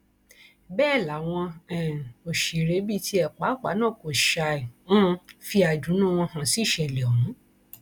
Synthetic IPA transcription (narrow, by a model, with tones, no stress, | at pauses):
bɛː˦˨la˨˦w̃ɔ̃˧ɛ˨o˨ʃe˨ɾe˨˦bi˦˨ti˦ɛ˨k͡pa˨˦k͡pa̰˨˦nãː˦˨ko˨ʃa˧i˨ũ˦˧fi˧a˨d͡ʒũ˨˦nũ˦˨w̃ɔ̃˧hã˨si˦˨ʃɛ˨lɛ˨ɔ˨ũ˨˦